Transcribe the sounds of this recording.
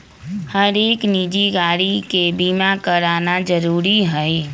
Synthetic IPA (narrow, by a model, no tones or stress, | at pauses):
həɾeːknid͡ʒiɡaːɽikebimakəɾaːnad͡ʒəɾuːɾiɦəi